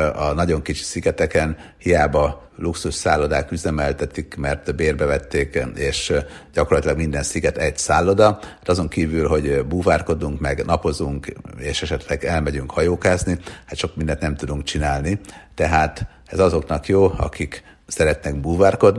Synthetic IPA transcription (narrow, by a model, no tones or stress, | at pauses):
ɒnɒɟo̞ŋkit͡ʃi̥siɡɛt̪ɛkɛnhijaːbɒ | luksuʃsaːlːo̞d̪aːkyzɛmɛlt̪ɛt̪ikmɛrt̪beːrbɛvɛt̪ːeːkeːʃɟɒkorlɒt̪ilɒɡmind̪ɛnsiɡɛt̪ɛɟsaːlːo̞d̪ɒat̪ɒzo̞ŋkiːvylɦo̞ɟbuːvaːrko̞d̪uŋkmɛɡnɒpo̞zuŋkeːʃɛʃɛt̪lɛɡɛlmɛɟyŋkhɒjoːkaːznihat̪ʃo̞kmind̪ɛnt̪nɛmt̪ud̪uŋkt͡ʃinaːlnit̪ɛɦaːt̪ | ɛzɒzo̞knɒkjoːɒ̰kik | sɛɾɛt̪nɛɡbuːvaːrko̞d̪n